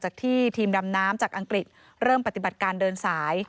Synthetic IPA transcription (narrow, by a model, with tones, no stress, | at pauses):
t͡ɕaː˨˩k̚t̪ʰiː˥˩t̪ʰiː˧mda˧mnaː˦˥mt͡ɕaː˨˩k̚ʔa˧ŋkɾi˨˩t̪̚ | ɾɤː˥˩mpa˨˩t̪i˨˩ba˨˩t̪̚kaː˧ndɤː˧nsaː˩˦j